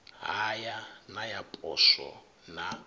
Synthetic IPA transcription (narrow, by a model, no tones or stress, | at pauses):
ɦajanajapʼɔ̰ʃɔ̰ | na